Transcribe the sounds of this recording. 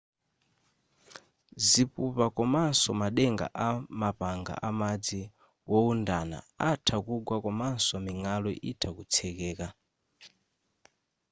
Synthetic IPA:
zipupakɔmansɔmaɗɛŋɡa̰ʔamapaŋɡa̰ʔamad͡zi | wɔundana̰ | atʰakuɡwakɔmansɔmiŋalɔʔitʰakut͡sʰɛkɛːka

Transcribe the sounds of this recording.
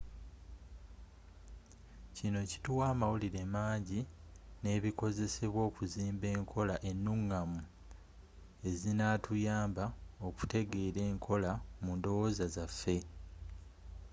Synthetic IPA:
cino̞ci̥tuwaːmawuliɾe̞maːɲɟi | ne̞ːβiko̞ze̞se̞βwo̞ːkuziːmbe̞ːŋkʰo̞laʔe̞nːuŋːamu | e̞zinatʰujaːmbao̞ku̥te̞ɡe̞ɾe̞ːŋkʰo̞lamundo̞wo̞ːzazafːe̞

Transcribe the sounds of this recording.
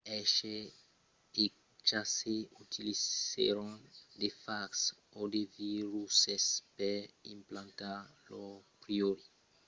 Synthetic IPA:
ɛʃe | e | t͡ʃaseut̪ʰilizḛɾõnd̪efaks | od̪eviɾusespeɾḭ̃mplãnt̪alopɾioɾi

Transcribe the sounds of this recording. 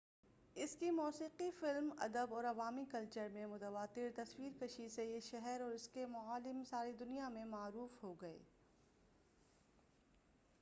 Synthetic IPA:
ɪskimɔːsiːqifɪlmɐ̰d̪əbɔːɾɐʋaːmikɐlt͡ʃəɾmẽmʊt̪əʋaːt̪ɪɾt̪ɐswiːɾkɐʃisejeʃɛɦɛɾɔːɾɪskemʊaːlɪmsaːɾid̪ʊnijamẽmaːɾuːfɦoɡɐḛː

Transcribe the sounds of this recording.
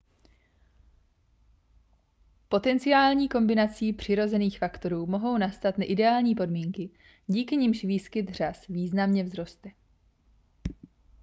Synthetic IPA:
po̞t̪ɛnt͡sɪaːlɲiːko̞mbɪnat͡siːpr̝̥ɪɾo̞zɛniːxfakt̪o̞ɾuːmo̞ɦo̞wnast̪at̪naʔɪdɛaːlɲiːpo̞dmiːŋkɪ | ɟiːkɪɲɪmʃviːskɪt̪r̝asviːznamɲɛvzɾo̞st̪ɛ

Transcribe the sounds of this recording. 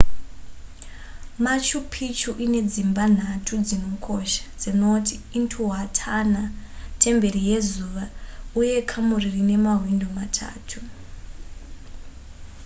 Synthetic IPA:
mat͡ʃupʰit͡ʃuʔine̞d͡zimban̤atʰud͡zino̞kʰoʃḁd͡zino̞tʰiːntʰuɦatʰana | tʰe̞mbe̞rije̞zuːʋauje̞kʰamuririne̞maɦwindomatʰa̰ːtʰu

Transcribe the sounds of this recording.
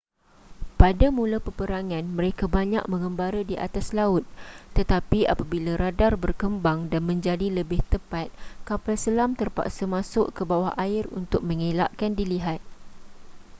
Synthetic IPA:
padamulapəpəɾaŋãnmə̃ɾekabaɲa̰k̚mə̃ŋə̃mbaɾadiʔa̰t̪aslaʊt̪̚ːət̪apia̰pabilaɾadarbərkəmbaŋdanmə̃ɲd͡ʒadiləbɪht̪əpat̪̚kapalsəlamt̪ərpa̰ksəmãsʊʔkəbawahʔaɪrṵnt̪ʊk̚mə̃ŋela̰ʔkandiliɦat̪̚

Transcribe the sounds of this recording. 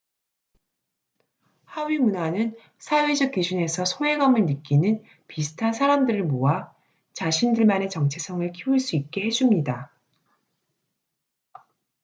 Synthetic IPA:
haɥimunanɯn | sʰawed͡ʑʌk͈̚id͡ʑune̞sʰʌsʰoe̞ɡʌmɯɭnɯk͈inɯn | pisʰɯ̥tʰansʰaɾamdɯɾɯɭmoa | t͡ɕaɕʰindɯɭmane̞t͡ɕʌŋt͡ɕʰe̞sʰʌŋɯɭkʰiuɭs͈uit̚k͈e̞hed͡ʑumɲida

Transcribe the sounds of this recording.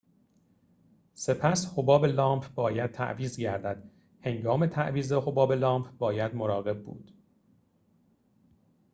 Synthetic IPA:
se̞pʰæshobɒːbelɒːmpʰbɒːjæd̪̚t̪ʰæ̰ʔviːzɟæɾd̪æd̪̥ | he̞ŋɡɒːme̞t̪ʰæʔviːzeho̞bɒːbe̞lɒːmpʰbɒːjæd̪moɾɒːɣe̞b̚bṵːd̪̥

